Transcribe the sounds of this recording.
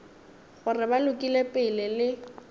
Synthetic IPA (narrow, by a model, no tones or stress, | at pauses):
χʊrɪbalʊkʼilepʼɪlɪlɪ